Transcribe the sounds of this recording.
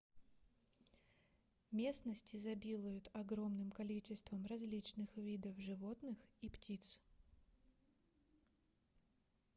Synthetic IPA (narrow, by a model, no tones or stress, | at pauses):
mʲe̞snəsʲtʲɪzɐbʲilˠəjʊt̪ɐɡɾo̞mnɨmkɐlʲit͡ɕɪst̪vəmrɐzʲlʲit͡ɕnɨxvʲid̪əfʐɨvo̞t̪nɨxiptʲit̪s